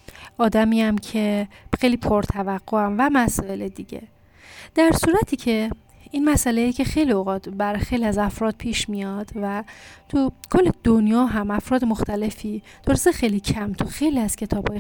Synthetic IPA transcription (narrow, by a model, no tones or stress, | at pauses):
ʔɒːd̪æmiːæmcʰe̞xejliːpʰoɾt̪ʰævæɣːoæmvæmæsɒːe̞led̪iɟḛ | d̪̥æɾsuːɾæt̪ʰiːcʰe̞ | inmæsælejicʰe̞xe̞jlioɣɒːt̪ʰbæɾɒjxe̞jliæzæfɾɒːd̪̥̚pʰiːʃmijɒːd̪̥væt̪ʰukʰolːed̪̥onjɒːɦæmæfɾɒːd̪emoxt̪æle̞fiː | d̪̥oɾsexejlicʰæmt̪ʰuxejliæz̥cʰe̞t̪ʰɒːb̥hɒːje